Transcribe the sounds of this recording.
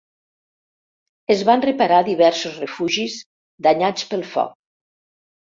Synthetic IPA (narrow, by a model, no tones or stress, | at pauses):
əzβanrəpaɾaðiβɛɾsuzrəfuʒiz | d̪aɲat͡spəlˠfɔ̰k̚